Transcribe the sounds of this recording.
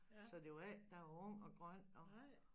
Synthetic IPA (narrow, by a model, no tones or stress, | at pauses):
sɒ̽d̥e̝oæld̥ɑ̈ɔŋ̰ɒ̽ɡ̥ʁɶn̰ɒ̽